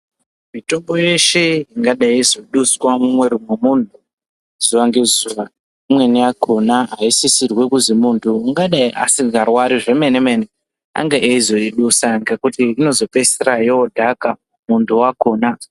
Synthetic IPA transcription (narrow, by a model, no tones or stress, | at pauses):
mito̞mbo̞je̞ʃeɦiŋɡaɗaizo̞ɗuswamumwe̞ɾumwemuntu | z̥uʋaŋɡe̞zuʋa | imwe̞niakʰo̞naɦaisisirwe̞kuzimuːntʰuːŋɡaɗaiʔa̰siɡarwaɾiʐe̞me̞nemene | a̰ŋɡeʔeizo̞iɗusaŋɡe̞kutiino̞zo̞pe̞serajoodʱaka | muntʰuwako̞ːna